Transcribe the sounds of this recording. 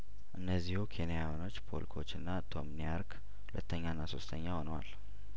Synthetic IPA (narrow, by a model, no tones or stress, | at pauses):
ʔɨnːəzːihukʰe̞nijajano̞t͡ʃːpʰo̞̰lkʰo̞t͡ʃːɨnːat̪ʰo̞mnijaɾk | hulət̪ʰːəɲːanːaso̞st̪ʰəɲːaho̞nəwa̰l